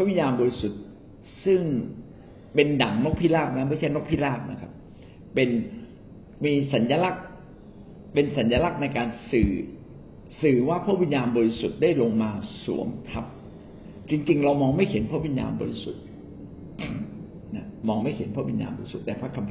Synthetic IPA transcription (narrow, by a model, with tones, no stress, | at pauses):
pʰa˥˩wi˧njaː˧nbɔː˧ɾi˦˥su˨˩t̪̚ | sɯ˥˩ŋ | pe˧nda˨˩˦ŋno˦˥k̚pʰiː˥˩laː˥˩k̚na˦˥ma˥˩jt͡ɕʰa˥˩jno˦˥k̚pʰiː˦˥laː˥˩k̚na̰˦˥kʰa˦˥p̚ː | e˧n | miː˧sa˩˦njaː˧la˦˥k̚ | pe˧nsa˩˦njaː˧la˦˥k̚na˧jkaː˧nsɯː˨˩ | sɯː˨˩waː˥˩pʰu˥˩˨wi˧˦njaː˧nbɔː˧ɾi˦˥su˨˩t̪̚daː˥˩jlo˧ŋmaː˧sṵ˨˩˦əmkʰa˦˥p̚ | t͡ɕi˧ŋt͡ɕi˧ŋɾa˧wmɔː˧ŋma˥˩jhʰe˩˦npʰaː˥˩wi˧˦nja̰ː˧nbɔ̰˧ɾi˧˥su˨˩t̪̚ | na˦˥mɔː˧ŋma˥˩jhe˩˦npʰɔː˥˩wi˧nja̰ː˧nbɔ̰ː˧ɾi˦su˨˩t̪ːɛː˨˩pʰa˦˥kʰːa˧mpʰ